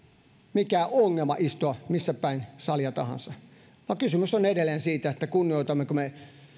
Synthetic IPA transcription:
mikæoŋːelmɑ̰ʔist̪oɑmisːæpæinsɑljɑt̪ɑ̰hɑ̰nsɑ | ʋɑŋkysymysonedelˑeːnsiːt̪æet̪ːækunːioˑit̪ɑmːekume

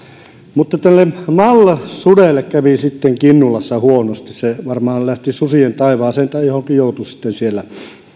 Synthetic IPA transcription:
mut̪ːɑt̪ælːemmɑlːɑsudelːˑekkæʋisit̪ːeŋkinːulɑsːɑhuonost̪isseʋɑrmɑːllæht̪isusient̪ɑiʋɑːseːnt̪æˑijohoŋkijout̪usi̥t̪ːensielːæ

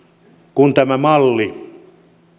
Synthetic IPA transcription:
kunt̪æmæmɑlːi

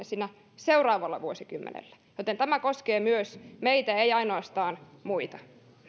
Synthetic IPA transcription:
siːnæ | seurɑːʋɑlːɑ̰ʋuosikymːḛnḛlːæ̥ | jot̪ent̪æmækoskeːmyøsmeit̪æeiɑinoɑst̪ɑːnmuit̪ɑ̥

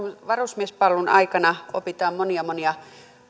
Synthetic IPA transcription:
ʋɑrusmiespɑlːunɑ̰ikɑnɑo̰pit̪ɑːmmoniɑmoniɑ

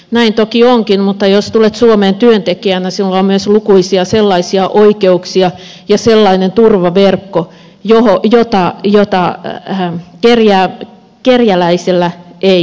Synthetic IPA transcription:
næint̪okioŋkinmut̪ːɑjost̪ulet̪suomeːnt̪yønt̪ekiænæsilːɑommyøslukuisiɑselːɑisiɑʔoikeuksiɑ | jɑselːɑinent̪urʋɑʋerkːo | johojot̪ɑjot̪ɑ | kerjæː | kerjælæiselːæʔei

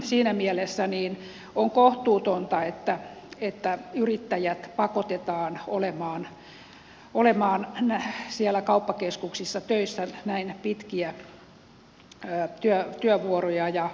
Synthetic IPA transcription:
siːnæmielesːæniːn | oŋkoht̪uːt̪ont̪ɑet̪ːæet̪ːæyrit̪ːæjæt̪pɑkot̪et̪ɑːnolemɑːn | olemɑːnnæsiælːˑækɑupːɑkeskuksisːɑt̪øisːænæinpit̪kiæ | t̪yøt̪yøʋuorojɑjɑ

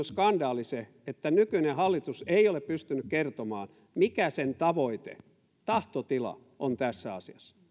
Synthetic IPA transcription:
skɑndɑːlise | et̪ːænykynehɑlːit̪useioleppyst̪ynykkert̪omɑ̰ːn | mikæsent̪ɑʋoit̪ḛ | t̪ɑht̪ot̪ilɑ̰ | ʔont̪æsːæɑ̰siɑsːɑ̥

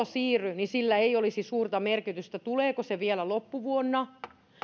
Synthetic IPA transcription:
osiːrynisilːæeiolisisuːrt̪ɑmerkit̪yst̪æt̪uleːkoseʋielælopːuʋuonːɑ

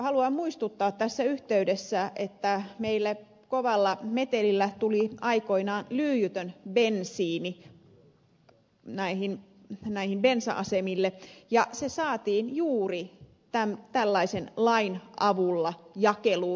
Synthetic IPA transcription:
hɑluɑmmuist̪ut̪ːɑːt̪t̪æsːæyht̪eydesːæʔet̪ːæmeilːæ | koʋɑlːɑmet̪elilːæt̪uliɑikoinɑːnlyːjyt̪ønbensiːni | næihin | næihimbensɑʔɑsemilːejɑsesɑːt̪iːnjuːri | t̪æmt̪ælːɑisenlɑinɑʋulːɑjɑkeluː

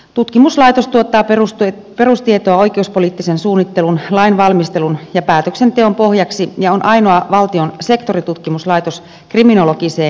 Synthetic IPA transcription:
t̪ut̪kimuslɑit̪ost̪uot̪ːɑːus | pe̞rust̪iet̪oɑo̞jk̟euspoliːt̪ːisensuːnːit̪ːe̞lunlɑinʋɑlmist̪e̞lunjɑpæːt̪øksent̪eompo̞hjɑksijɑonʔɑino̞ɑʋɑlt̪io̞nse̞kt̪o̞rit̪ut̪kimuslɑjt̪os | krimino̞lokiseːn

